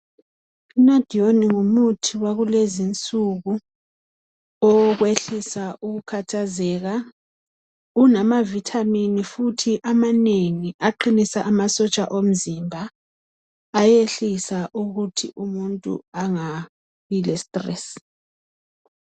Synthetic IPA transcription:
inad̥ʱioniŋumutʰiwaɣulezint͡sʼuɣu | ɔɣweɬisaʔuɣukʰatʰazɛɣa | unamavitʰaminifutʰiʔamaneŋiʔaǃinisaʔamasɔt͡ʃʼaʔom̩zimbʱa | jeɬisaʔuɣutʰiʔumuntʼṵaŋa | ilɛstʼrɛs

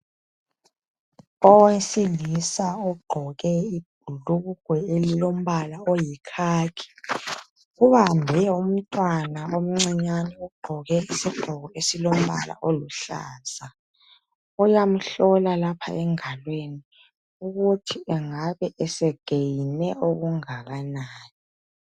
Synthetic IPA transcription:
ɔwesilisaɔɡ͡ǃʱɔɣɛib̥̚ʱuluɣuɡ̥ʱwɛelilom̩βalaojikʰaːkʰi̥ | ɣuβambʱɛum̩tʼwanaom̩ŋ͡ǀɛɲanɛuɡ͡ǃʱɔɣɛisiɡ͡ǃʱɔɣɔesilom̩βa̰la̰ʔoluɬa̰ːz̥a | ujam̩ɬɔlalapʰa̰ɛŋalweni | uɣutʰiʔɛŋaβɛʔɛsɛɡ̥ʱejinɛoɣuŋaɣanaːni

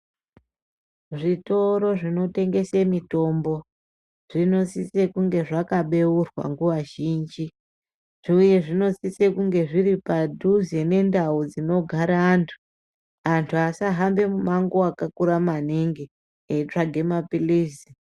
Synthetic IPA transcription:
ʐito̞ɾo̞ʐino̞te̞ŋɡe̞semito̞mbo̞ | ʐ̥ino̞sise̞kuŋɡe̞ʐakaɓe̞urwa̰ŋɡuʋaʒiːnd͡ʒi | ʐuje̞ʐino̞sisekuŋɡe̞ʐiɾipadʱuze̞ne̞ndaud͡zino̞ɡʱaɾaːntʰu̥ | antʰuasaɦambe̞mumaŋɡoakakuɾamaniŋɡi | eitaɡʱe̞mapiliːsi

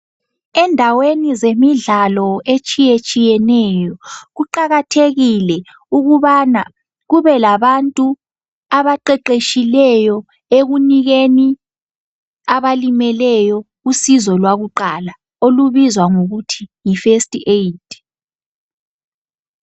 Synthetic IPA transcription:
ɛndʱawenizemiɮalɔet͡ʃʼijet͡ʃʼijɛnɛjɔɣuǃaɣatʰeɣilɛ | uɣuβana | ɣuβɛlaβantʼu | aβaǃɛǃeʃilɛjɔ | eɣuniɣeni | aβalimɛlɛjɔ | usizɔlwaɣuǃala | oluβizwaŋoɣutʰijifestʼied̥ʼ

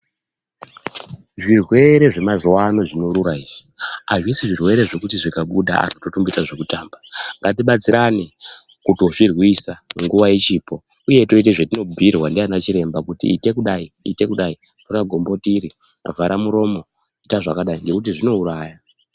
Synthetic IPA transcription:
ʐirwe̞ɾe̞ʐe̞mazowano̞ʐino̞ɾuɾaiʐiaʐwisiʐirwe̞ɾe̞ʐe̞kutiʐikaɓuɗa̰a̰noto̞tumbitaʐe̞kutaːmbaŋɡat̬iɓat͡siɾani | kutoʐirwisaŋɡuʋaet͡ʃiːpʰo̞ | uje̞to̞it̬eʐetino̞bʱirwandeanat͡ʃiɾe̞mbakutḭːte̞kuɗaiḭte̞kuɗai | tokaɡʱo̞mbo̞tiɾia̰vʱaɾʔamuɾo̞mo̞ | itaʐakaɗaiŋɡe̞kut̬iʐino̞uɾaːja

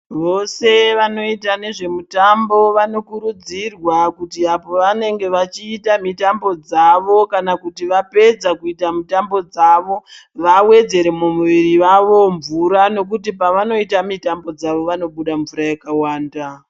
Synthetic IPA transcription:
ʋo̞se̞ʋano̞itane̞ʐe̞mutambo̞ʋano̞kuɾud͡zirwakutiapo̞ʋane̞ŋɡe̞ʋat͡ʃiːtamitambo̞d͡zaʋo̞kanakutiʋape̞d͡zakuitamutambo̞d͡zaʋo̞ʋawe̞d͡ze̞ɾe̞mumuʋiriʋaʋo̞ɱvuɾano̞k̬utipaʋano̞itamitambo̞d͡zaʋo̞ʋano̞ɓuɗaɱvuɾajakawaːnda

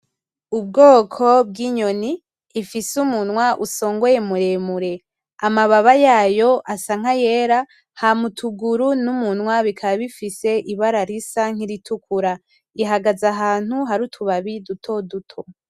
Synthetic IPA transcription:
ub̚ɡoːkʰo̞b̚ɡiɲo̞niː | fisumunwaʔuso̞ːŋɡojemuɾe̞muɾe̞ | amaβaβajaːjo̞ʔasaŋ̥aje̞ɾa | hamutʰuɡuɾunumunwaβikʰaβaβifise̞ʔiβaɾaɾisaŋ̥hiɾitʰukuɾa | iɦaɡazaɦaːn̥huɦaɾutʰuβaβidutʰo̞dutʰo

